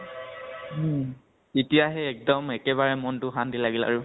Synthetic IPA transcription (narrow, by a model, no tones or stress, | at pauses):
etijaɦɛːk̚dɔmɛkɛβaɹɛmɔntʊɦandilaɡila̰ɹʊ